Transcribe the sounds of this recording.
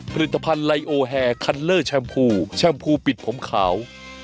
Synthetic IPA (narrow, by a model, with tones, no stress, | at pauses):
pʰa˧li˨˩t̪ːa˧pʰa˧nla˧jʔoː˧ɦɛː˧kʰa˧nlɤː˥˩t͡ɕʰɛː˧mpʰuː˧t͡ɕʰɛ˧mpʰuː˧pi˨˩t̪̚pʰo˩˦mkʰa̰ː˩˦w